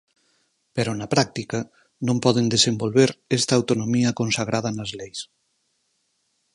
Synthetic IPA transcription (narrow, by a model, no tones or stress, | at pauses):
peɾonapɾak̚t̪ika | nõmpɔðend̪esembolβeɾest̪aːwt̪onomiɐkonsaɣ̞ɾʔað̞ɐnazlejs